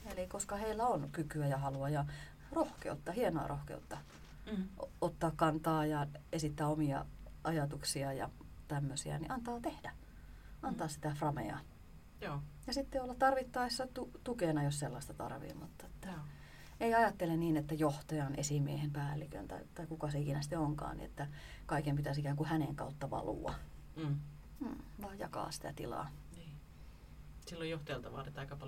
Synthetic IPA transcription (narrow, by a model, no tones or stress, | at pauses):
elikoskɑheilːæonkykyæjɑhɑluɑjɑ | rohkḛut̪ːɑhienoɑ̰rʔo̰hkḛut̪ːɑ | ʔot̪ːɑːkkɑnt̪ɑːjɑesit̪ːæːomiɑ̰ɑjɑt̪uksiɑjɑ̰ | t̪æmːøsiæ̰nḭʔɑnt̪ɑːt̪ehdæ | ɑnt̪ɑːssi̥t̪æfrɑmḛɑ̰ | jɑsit̪ːeolːɑt̪t̪ɑrʋit̪ːɑisːɑt̪ut̪ukenɑjosselːɑist̪ɑt̪ɑ̰rʋḭːmut̪ːɑet̪ːæ | eiɑjɑt̪ːelenniːnet̪ːæjoht̪ɑjɑnʔḛsimiehempæːlːikø̰nt̪ɑ̰it̪ɑikukɑseikinæsi̥t̪ːeoŋkɑ̰ːnnḭḛt̪ːæ | kɑikempit̪æsikæːŋkuhæneŋkɑ̰ut̪ːɑʋɑ̰lṵɑ̰ | m̩ːʋɑijjɑ̰kɑ̰ːsi̥t̪æ̰t̪ḭlɑ̰ːniː | silːojjoht̪ɑjɑlt̪ɑʋɑ̰ːret̪ːɑikɑpɑ